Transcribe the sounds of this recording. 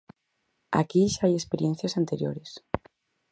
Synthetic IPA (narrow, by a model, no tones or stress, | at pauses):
a̰kiʃaajespeɾjen̟θjasant̪eɾjo̰ɾes